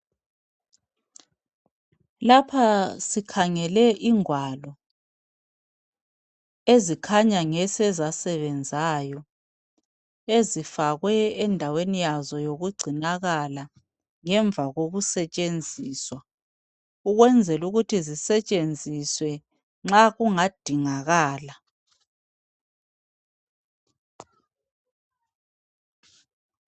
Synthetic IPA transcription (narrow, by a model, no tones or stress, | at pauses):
lapʰasikʰaŋɛlɛʔiŋwalɔ | ezikʰaɲaŋɛsɛzasɛβɛnd͡zʱaːjɔ | ezifaɣwɛːndʱawenijazɔjoɣuɡ͡ǀʱinaɣala | ŋɛɱb̪vʱaɣoɣusɛt͡ʃʼend͡zʱiːswa | uɣwɛnd͡zʱɛluɣutʰizisɛt͡ʃʼend͡zʱiswɛ | ŋ͡ǁaɣuŋad̥ʱiŋaɣaːla